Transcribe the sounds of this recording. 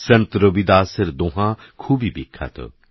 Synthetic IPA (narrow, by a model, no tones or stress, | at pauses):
sɐnt̪ɾobid̪aːsəɾd̪oɦã | kʰuːbʱibikʰːa̰ːt̪ʰo̰